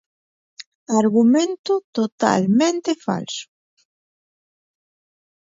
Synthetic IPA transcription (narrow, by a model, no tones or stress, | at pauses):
aɾɣumẽnt̪ut̪ot̪a̰lmẽnt̪efa̰lsu̥